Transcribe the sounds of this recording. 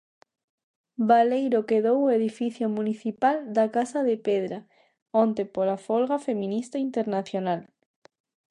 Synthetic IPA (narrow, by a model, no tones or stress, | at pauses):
balejɾokeðoweðifiθjomũniθipald̪akasaðepeðɾa | õnt̪epolafolɣafemĩnist̪aint̪eɾnaθjonal